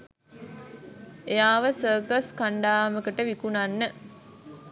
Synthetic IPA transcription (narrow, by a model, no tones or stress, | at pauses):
ejaːʋəsəːkəskaɳɖaːməkəʈəʋikunanːə